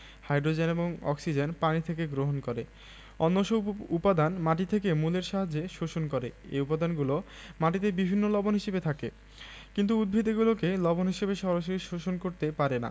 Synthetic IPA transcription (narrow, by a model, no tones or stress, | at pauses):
hajɖɾod͡ʑeneboŋɔ̰ksid͡ʑenpanit̪ʰekeɡɾoɦonkoɾe | ɔnːoʃoupad̪anmaʈit̪ʰekemuleɾʃaɦad͡ʑeʃoʃonkoɾeḛjupad̪anɡulomaʈit̪̬ebibʱinːolɔbonɦiʃebet̪ʰake | kint̪̬uud̪̚bʱid̪eɡulokelɔbonɦiʃebeʃɔɾaʃ̬oɾiʃoʃonkoɾt̪epaɾena̰